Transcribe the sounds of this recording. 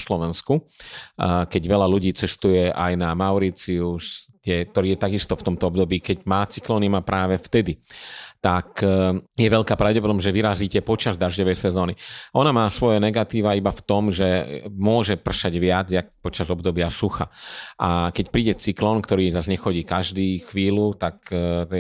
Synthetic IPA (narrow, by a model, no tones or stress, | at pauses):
slɔʋɛnsku | kɛɟʋɛʎaluɟiːt͡sɛst̪ujɛʔa̰jnamaʊɾit͡siust̪ɛk̚t̪ɔɾiːjɛt̪aɡist̪ɔft̪ɔmt̪ɔɔbd̪ɔbiːkɛɟmaːt͡si̥klɔːnimapɾʔaːʋɛft̪ɛd̪it̪akjɛʋɛʎkaːpɾaʊɟɛp̬ɔd̪ɔmʒɛʋiɾaziːcɛpɔt͡ʃazd̪aʒɟɔʋɛjsɛzɔːniʔɔnamaːsʋɔjɛnɛɡat̪iːʋaibaft̪ɔmʒɛmʊɔʒɛpr̩ʃaɟʋɪad͡zjak̚pɔt͡ʃazɔbd̪ɔbɪasuxa̰ʔakɛcpɾiːɟɛt͡siklɔːnkt̪ɔɾiːzazɲɛxɔɟiːkaʒd̪iːxʋiːlut̪ak